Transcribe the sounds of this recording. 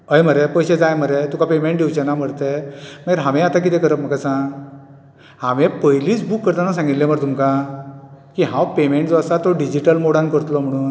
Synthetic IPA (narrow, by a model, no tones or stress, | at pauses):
əjm̤əɾepəjɕed͡zajm̤əɾet̪ukapemeɳʈ̚d̪iwt͡ɕanam̤əɽt̪emaeɾɦaʋẽat̪ak̬it̪ẽkəɾəp̚məkasãɡ | hãʋẽpəjliːt͡sbukːəɾt̪anas̬ãŋɡit̪lẽm̤əɾt̪umka | kiɦãwpemeɳʈd͡zəsat̪ɔɖid͡ʑiʈəlmoɽãnkəɾt̪lɔm̤əɽ̃uːn